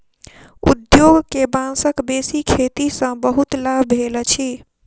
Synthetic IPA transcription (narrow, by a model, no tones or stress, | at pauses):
ṵd̪joɡkebãsəkbesikʰet̪isə̃bəɦut̪labʱbʱelt͡ʃʰi